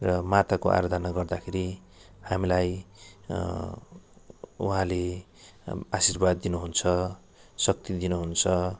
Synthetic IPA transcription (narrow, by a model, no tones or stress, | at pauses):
rʌmat̪akoʔa̰ɾd̪ʱanaɡʌrd̪akʰeɾi | hamilaj | ṵɦãle | asirbad̪ːinuɦunt͡sʰʌ | sʌk̚t̪id̪inuɦunt͡sʰʌ